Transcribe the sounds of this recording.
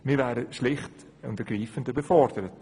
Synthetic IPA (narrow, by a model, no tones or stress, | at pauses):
miːvæːɾəʃlɪχt | ʊ̰ntəɡriːfəndəbɛfɔɾd̥əɾət